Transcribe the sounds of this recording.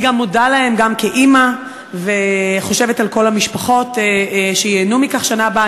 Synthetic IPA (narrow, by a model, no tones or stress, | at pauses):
ɡamːodalahe̞mɡamkeʔima | veχo̞ʃe̞vetalko̞lhamiʃpaχo̞tʃejeːnumikaχʃanaba